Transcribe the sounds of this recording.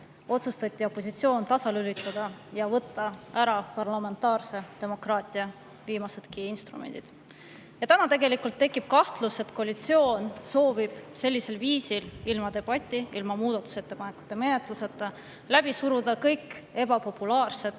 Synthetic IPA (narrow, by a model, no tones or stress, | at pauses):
o̞t̪sust̪ɑt̪ʲˑːio̞pːˑo̞s̬it̪sio̞ːnt̪ɑsɑlylit̪ˑːɑd̪̥ɑjɑvɤt̪ːˑɑæɾɑpɑrlɑme̞nt̪ːˑɑːrse̞t̪e̞mo̞krɑːt̪ʲˑiɑ | viːmɑse̞d̪̥kiinst̪rṵmḛnd̪id̪̥ | jɑt̪ænɑt̪e̞ɡe̞likːˑult̪ːe̞kːˑib̥̚kɑht̪luse̞t̪koɑlʲit̪sio̞ːnso̞ːvib̥selʲːise̞lviːsililmɑd̪̥e̞b̥ɑt̪ʲːˑiilmɑmuːd̪ɑt̪ːˑu̥se̞t̪ːe̞pɑne̞ku̥t̪ːˑe̞menet̪ˑluset̪ːˑɑ | læb̥isuɾud̪̥ɑkɤjke̞b̥ɑpo̞pːulɑːrse̞t̪